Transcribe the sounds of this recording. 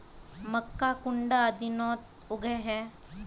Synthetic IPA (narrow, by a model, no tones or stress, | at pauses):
məkːakʊɳɖaəd̪inɔːt̪ | ʊɡɛɦɛː